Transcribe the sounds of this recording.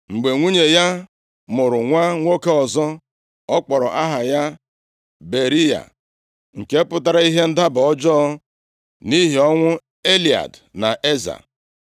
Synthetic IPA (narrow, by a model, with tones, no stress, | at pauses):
ŋ͡m̩˨ɡ͡be˨ŋʷu˦ɲe˨ja˦ | mʊ˨ɾʊ˨ŋʷa˦ŋʷo˦ke˦ɔ˨zɔ˦ | ɔ˦k͡pɔ˨ɾɔ˨ʔa˦ɦa˨ja˦ | be˨ɾi˦ja̰˨ | ŋ̩˨ke˦pʊ˦ta˦ɾa˦i˦ɦe˦n̩˦da˦bɔ˦d͡ʒɔ˦ | ni˦ɦi˨ɔ˦ŋʷʊ˦ | e˦li˨a̰˨dna˨ʔe˦za̰˨